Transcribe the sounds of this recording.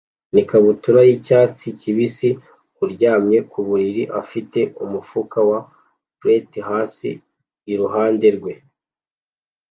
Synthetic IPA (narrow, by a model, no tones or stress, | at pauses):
nikaβutuɾajicaːt͡siciβisi | uɾɟaːmɲe̞kuβuɾiɾiʔafite̞umufukawa | pɾetiɦaːsḭː | ɾuɦaːnde̞ɾɡwe̞